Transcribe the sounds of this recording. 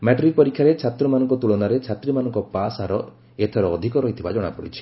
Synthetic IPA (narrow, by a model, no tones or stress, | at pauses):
mɛʈɔɾik̚pɔɾikʰːjaɾet͡ʃʰat̪ɾɔmanɔŋkɔt̪uɭɔnaɾet͡ʃʰat̪ɾimanɔŋkɔpasaɾɔ | et̪ʰɔɾɔːd̪ʱikɔɾɔɦit̪ʰibad͡ʒɔɽ̃a̰pɔɽḭt͡ʃʰi̥